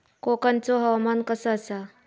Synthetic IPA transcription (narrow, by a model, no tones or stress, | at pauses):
kokant͡sɔɦəʋmankəsəːsa